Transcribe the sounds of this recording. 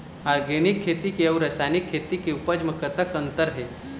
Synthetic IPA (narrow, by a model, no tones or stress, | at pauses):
aɾɡeɽ̃ikʰːet̪ikeɐwɾəsajnikʰːet̪ikeupəd͡ʑməkət̪əkənt̪əɾɦe